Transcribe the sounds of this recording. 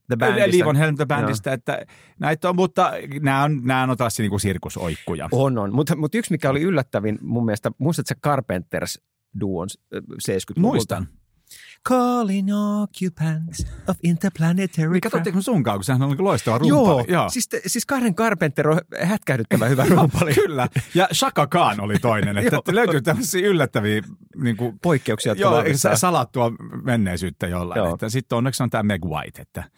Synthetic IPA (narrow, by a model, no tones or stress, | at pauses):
ðəbændeisliːʋonhelmt̪øbændist̪æet̪ːæ̰ | næit̪ːommut̪ːɑnæːonnæːonont̪ɑsːiniːŋkusirkuso̰ikːujɑ̰ononmut̪mut̪yksmikæoliylːæt̪ːæʋinmumːielest̪æmuist̪ɑt̪sekɑrpent̪ːḛrs | duːo̰nsseːskyt̪muist̪ɑ̰n | kʰoliŋokʰjupʰæ̃nt̪soʋint̪əplænet̪ʰɛɹkːɑt̪oːeksmesuŋkɑːkusehænolnikuloist̪ɑʋɑrujːopːɑlijoːsist̪siskɑhɾeŋkɑrpent̪ːeɾohæt̪kæyt̪et̪ːæʋæhyʋæruːpɑlikylːæjɑʃɑkɑkɑːnolit̪oinenet̪ːæløyt̪yt̪æmːøsːiːylːæt̪ːæʋiːniːŋkupoikːeuksiɑt̪joːssɑlɑt̪ːuɑmenːeisyːt̪ːæjo̰lːɑ̰j̰t̪ːæsit̪ːonːeksont̪æːmeɡwɑ̰it̪ḛt̪ːæ